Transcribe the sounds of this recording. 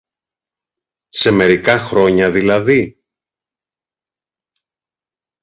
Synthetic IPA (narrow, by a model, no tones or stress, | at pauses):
se̞me̞ɾikɐxɾo̞ɲɐðilɐði